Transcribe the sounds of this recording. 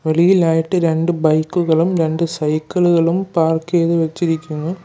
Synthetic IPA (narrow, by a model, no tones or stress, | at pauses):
ʋe̞ɭijilaːjiʈːɨɾe̞ɳɖɨbɐjkːuɣɐɭumɾe̞ɳɖɨsɐjkːɐɭuɣɐɭumpaːrkeːðʋet͡ɕːiɾikʲːunːu